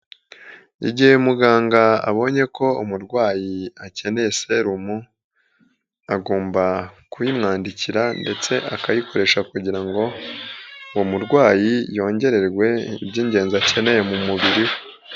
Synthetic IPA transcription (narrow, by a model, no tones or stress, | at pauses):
ḭɟihemuɡaːŋɡaa̰βo̞ɲe̞ko̞umuɾɡwaːjiace̞ne̞seɾumu | aɡoːmbakujimŋaːndiciɾande̞t͡se̞ʔakajikʰo̞ɾe̞ʃakuɟiɾaŋɡo̞ | womuɾɡwaːjijo̞ːɲɟe̞ɾe̞ɾɡwe̞ḭbɟiːɲɟe̞ːnziacʰe̞ne̞jemumuβiɾiwe